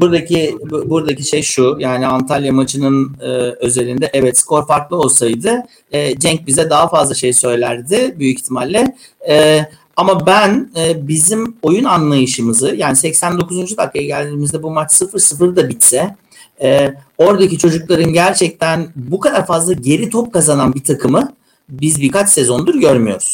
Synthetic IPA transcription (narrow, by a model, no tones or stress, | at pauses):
buɾd̪acibuɾad̪aciʃejʃujaːniant̪ʰalʲjamat͡ʃɯnɯnɯːø̞ze̞ɾind̪ɛʔɛvɛt̪skʰo̞ɾfaɾklˠɯo̞lˠsajd̪ɯ | ɛːd͡ʒɛɲc̚bizɛd̪aɦafazlˠaʃe̞jsø̞jlʲæɾd̪ɪbyjict̪ʰimalʲːɪ | ɛ | amabænɛːbizimo̞junanlˠajɯʃɯmɯzɯjaːnisɛcsænd̪o̞kʰuzund͡ʒut̪ʰakajaɟælʲd̪iːmizd̪ɛbumat͡ʃsɯfɯɾsɯfɯɾd̪abit̪sɛ | o̞ɾd̪acit͡ʃʰo̞d͡ʒuklˠaɾɯnɟæɾt͡ʃʰɛc̚t̪ʰænbukʰad̪aɾfazlˠaɟe̞ɾit̪ʰop̚kazananbit̪ʰakʰɯmɯ | bizbikat͡ʃse̞zo̞nd̪uɾɟø̞ɾmyjo̞ɾuz̥